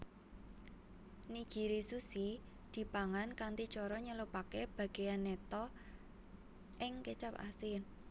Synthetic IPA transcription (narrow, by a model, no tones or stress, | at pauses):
ni̥ɡ̥i̤ɾisusi | d̪̥i̤paŋankant̪it͡ʃɔɾɔɲəlupakeb̥a̤ɡ̥e̤anːet̪ɔ | ʔɪŋkət͡ʃapa̰sɪn